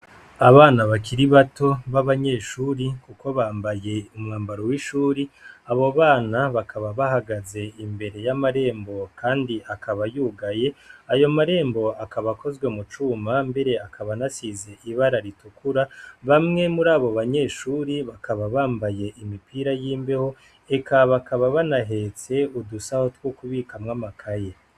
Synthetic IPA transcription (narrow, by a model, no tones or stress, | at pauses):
aβaːnaβakʰiɾiβato̞βaβaɲe̞ːʃuːɾikuko̞βaːmbaje̞umŋaːmbaɾowiʃuːɾiaβo̞βaːnaβakʰaβaβahaɡaze̞imbe̞ɾe̞jamaɾe̞ːmbo̞kʰaːndiʔakʰaβajuːɡaje̞ajo̞maɾe̞ːmbo̞akaβako̞zɡwe̞mut͡ʃumambe̞ɾe̞akʰaβanasize̞ʔiβaɾaɾitukuɾaβamŋe̞muɾaːβo̞βaɲe̞ːʃuːɾiβakaβaβaːmbaje̞ʔimipʰiːɾajiːmbeho̞ | e̞kʰaβakaβaβanaɦe̞t͡se̞udusaho̞twokuβiːkamŋamakʰaje